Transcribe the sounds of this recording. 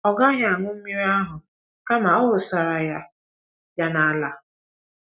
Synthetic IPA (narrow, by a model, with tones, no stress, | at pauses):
ɔ˨ɡa˦ɲa˨a˨ŋʷʊ˦m̩˦mi˦ɾa˦ɦʊ˨ | ka˦ma˨ɔ˦ɦʊ˨sa˨ɾa˨ja˦ | ja˦na˨la˨